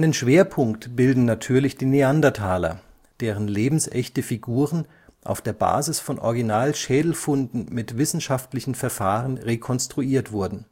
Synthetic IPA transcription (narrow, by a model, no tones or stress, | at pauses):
ʔaɪnənʃv̥eːɐpʰʊŋktb̥ɪldn̩natʰyːɐlɪçd̥iːneandɐtʰaːlɐ̰ | d̥eːʁ̞ənleːbm̩sʔɛçtəfiɡuːʁən | ʔa̰ʊfd̥eːɐba̰ːzɪsfɔnʔɔ̰ɐɡinaːlʃɛːdl̩fʊndn̩mɪtv̥ɪsn̩ʃaftlɪçn̩fɛɐfaːʁənʁekʰɔnstʁ̥uiːɐtv̥ʊɐdn̩